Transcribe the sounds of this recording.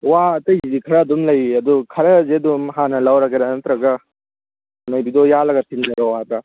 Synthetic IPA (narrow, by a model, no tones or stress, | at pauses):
waɐt̪ɐjzikʰɐɾɐːd̪umlɐjɐd̪ukʰɐɾɐzeɐd̪umɦanɐlawɾaɡeɾanɐt̪ɾɐɡɐ | ɐnɐjbid̪ɔjalɐɡɐtʰiŋɡɐɾɔwat̪ɾa